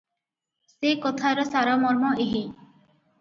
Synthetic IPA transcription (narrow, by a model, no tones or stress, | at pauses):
sekɔt̪ʰaɾɔsaɾɔmɔɾmɔeɦi